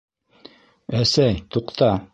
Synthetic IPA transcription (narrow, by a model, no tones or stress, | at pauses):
æsæjt̪uqt̪ɑ